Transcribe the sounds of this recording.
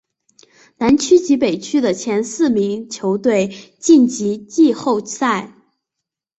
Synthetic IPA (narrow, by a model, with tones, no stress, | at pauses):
na˧˥nt͡ɕʰy˥t͡ɕi˧˥pe˨˩ɪt͡ɕʰy˥d̪ə˨t͡ɕʰjɛ˧˥nsɹ̩˥˩mi˧˥ŋt͡ɕʰjo˧˥ʊt̪we˥˩ɪt͡ɕi˥˩nt͡ɕi˧˥t͡ɕi˥˧xo˥˧ʊsa˥˩ɪ